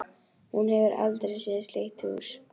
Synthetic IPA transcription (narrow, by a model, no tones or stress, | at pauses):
hunhɛvɪɾʔa̰lt̪ɾejsjɛːsleht̪ɪṵɾ̥